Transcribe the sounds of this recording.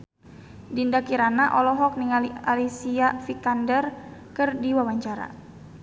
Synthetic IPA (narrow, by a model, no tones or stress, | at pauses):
dindakiɾanaʔɔlɔɦɔk̚niŋalialisiafikandərkɨrdiwawaɲt͡ʃaɾa̰